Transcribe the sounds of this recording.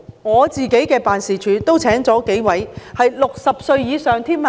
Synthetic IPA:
ŋɔː˨˧t͡siː˨ke˨˥jkɛː˧paː˨˩nsiː˨˩t͡ʃʰyː˨˧˥t̪o˥wt͡sʰɛː˨˥ŋt͡sɔː˨˥ke˨˥jwɐ˨˥jhɐ˨jlʊ˨k̚sɐ˨p̚sɵ˧ɥjiː˨˧sœː˨ŋt̪ʰiː˥m˧

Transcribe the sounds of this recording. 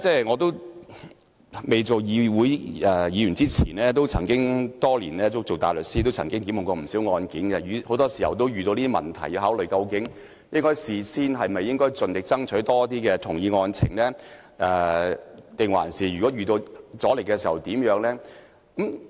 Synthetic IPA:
t͡sɛː˥˩ŋɔː˨˧t̪o˥w | me˨˩jt͡so˨wjiː˨˧wu˨˥jɛː˨jiː˨˧jy˨˩nt͡siː˥t͡sʰiː˨˩nɛː˥t̪o˥wt͡sʰɐ˨˩ŋkɪ˥ŋt̪ɔː˥lḭː˨˩nlɛː˥t͡so˥w̚t͡so˨wt̪aː˨jlɵ˨t̚siː˥t̪o˥wt͡sʰɐ˨˩ŋkɪ˥ŋki˨˥mʊ˨˩kɔː˧m̩˨˩siː˨˥wŋɔː˧nki˨˥nkɛ˧jyː˨˥ho˨˥wt̪ɔː˥si˨˩hɐ̰˨wt̪o˥wɥyː˨˩o˧liː˥t̪iː˥mɐ̰˨nt̪ʰɐ˨˩jiː˨˧ɦaː˨˥wlɵ˨ɥjkɐ˧wkɪ˨˥ŋ | jɪ˥ŋkɔː˥jsiː˨˩siː˥nɦɐ˨jmɐ˨jːɪ˥ŋkɔː˥jt͡sɵ˨nt̪ɪ˨k̚t͡sɐ˥ŋt͡ʃʰɵ˨˥ɥt̪ɔː˥t̪iː˥kɛː˧t̪ʰʊ˨˩ŋjiː˨˧ŋɔː˧nt͡sʰɪ̰˨˩ŋlɛː˥ | ʔɛ˨˩ | t̪ɪ˨ŋwa̰ː˨˩˨nsiː˨jyː˨˩kɔː˨˥jyː˨˩t̪o˧wt͡sɔː˨˥le˨jkɛ˧siː˨˩hɐ˨wt̪iː˨˥mjœː˨˧˥ŋlɛː˥ | kɐ˨˥m

